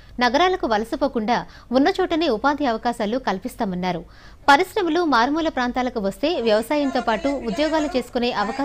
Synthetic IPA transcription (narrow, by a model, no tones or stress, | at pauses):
nɐɡɐɾaːlɐkuʋɐlɐsupo̞ːkuɳɖaː | munːɐt͡ʃɔːʈɐneːupaːnd̪iɐʋɐkaːʃaːlukɐlpist̪aːmɐnːaːɾu | pɐɾisɾɐmɐlumaːɾmuːlɐpɾaːnt̪aːlɐkuʋɐst̪e̞ːʋjɐʋɐsaːjɐnt̪oːpaːʈuːd̪jɔːɡaːlut͡ʃe̞ːsu̥kune̞ːʔɐʋɐkaː